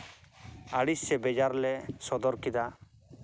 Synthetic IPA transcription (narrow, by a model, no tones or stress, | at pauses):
aɽissɛbɛd͡ʒaɾlɛsɔd̪ɔɾkid̪a